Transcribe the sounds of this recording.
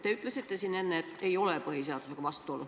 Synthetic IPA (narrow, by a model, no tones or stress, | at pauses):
t̪eyt̪ˑlesit̪ːesinːenːeet̪ːeiolepɤhiseɑt̪usekɑʋɑst̪ˑuolːu